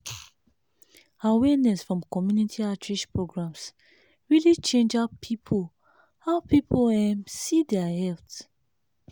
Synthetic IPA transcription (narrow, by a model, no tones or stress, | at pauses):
awɛnɛsfɹɔ̃mkɔmjunitʰiatɹiʃpɹoɡɹãms | ɹilit͡ʃẽnd͡ʒapʰipʰo | haʊpipʰoɛ̃msidɛahɛlt